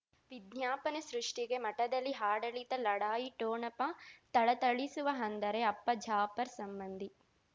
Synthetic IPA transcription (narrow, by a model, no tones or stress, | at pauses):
ʋid̪ɲjaːpɐnesɾuʂʈiɡe̞mɐʈɐd̪ɐlːiɦaːɽɐɭit̪ɐlɐɽaːjiʈoːɳɐpɐt̪ɐɭɐt̪ɐɭisuʋɐɦɐnd̪ɐɾeɐpːɐd͡ʒʱaːpɐɾsɐmbɐnd̪ʱi